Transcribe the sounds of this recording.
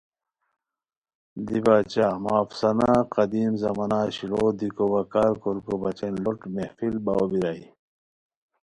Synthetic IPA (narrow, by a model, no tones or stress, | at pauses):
d̪ibaːt͡ɕamaːfsɐnaqɐd̪iːmzɐmɐnaːɕiloːd̪ikobɐkaːɾkoɾkobɐt͡ɕenloʈmehfilbɐwobiɾɐi